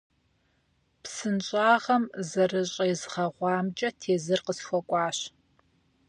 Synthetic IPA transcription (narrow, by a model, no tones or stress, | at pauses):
psɨnɕʼaːʁɐmzɐrɨɕʼɐjzχɐʁʷɑːmt͡ʃʼɐtʰeːzɨrqəsxʷɔkʷʼɑːɕ